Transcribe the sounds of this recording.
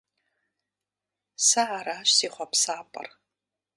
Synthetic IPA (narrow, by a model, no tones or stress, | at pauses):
sɐʕaɾaːʃsiːχʷɔpsaːpʼɐ̰r